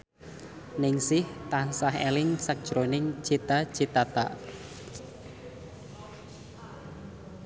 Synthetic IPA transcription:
nɪŋsɪht̪ansaɦḛlɪŋsak̚d̥ʒ̥ɾonɪŋ̥ʒ̥et̪ḁʒ̥et̪at̪a̰

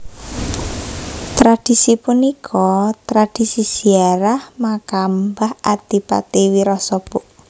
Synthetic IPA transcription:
t̪ɾad̥i̤sipunikʰɔt̪ɾad̥i̤sisiaɾahmakambahʔat̪ipa̰t̪iwiɾɔsɔpʊʔ

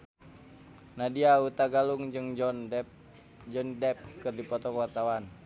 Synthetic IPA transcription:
nadiaut̪aɡaluŋd͡ʒɨŋd͡ʒ | d͡ʒɔndɛp̚kɨrdipɔt̪ɔkəwart̪awan

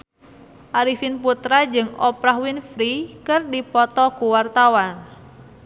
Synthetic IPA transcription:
ʔaɾifinput̪ɾad͡ʒɨŋɔpɾahwinfɾikɨrdipɔt̪ɔkuwart̪awan

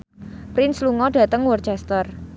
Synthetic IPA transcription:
pɾɪnsluŋɔɖ̥ä̤t̪əŋwɔrt͡ʃɛst̪ər

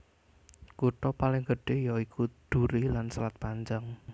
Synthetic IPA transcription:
kuʈ̪ɔpalɪŋɡəɖ̥e̤jɔikʰud̪̥uɾilansəlat̪̚paɲd͡ʒaŋ

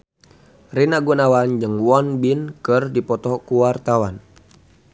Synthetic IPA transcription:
rinaɡunawand͡ʒɨŋwɔnbinkɨrdipɔt̪ɔkuwart̪awan

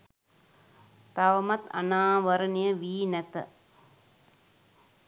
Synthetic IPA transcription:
t̪aʋəmɐt̪a̰naːʋəɾənijəʋiːnɛt̪ə̰

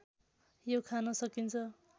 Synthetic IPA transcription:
jokʰanʌsʌkint͡sʰʌ

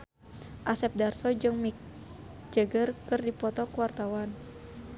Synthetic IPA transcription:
ʔasɛp̚darsɔd͡ʒɨŋmik̚d͡ʒəɡərkərdipɔt̪ɔkəwart̪awan

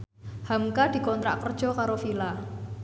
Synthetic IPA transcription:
hamkad̪̥i̤kɔnt̪ɾa̰ʔkərd̥ʒ̥ɔ̤kaɾofila

